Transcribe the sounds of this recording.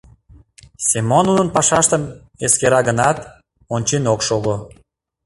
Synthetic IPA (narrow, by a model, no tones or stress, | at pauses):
sʲimonunənpɑʃɑʃt̪əm | eskeɾɑɣənɑt̪ | onʲt͡ɕinokʃoɣo